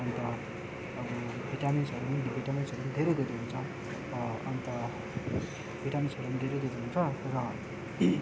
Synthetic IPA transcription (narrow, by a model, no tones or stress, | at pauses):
ʌnt̪ʌ | ʌbʌ | bʱiʈaminsʌɾumnd̪ibʱiʈaminsʌɾumd̪ʱeɾod̪ed͡ziɦunt͡sʰʌ | ʌnt̪ʌ | bʱiʈaminsʌɾumd̪ʱeɾod̪ed̪iɦunt͡sʰʌrʌ | t̪i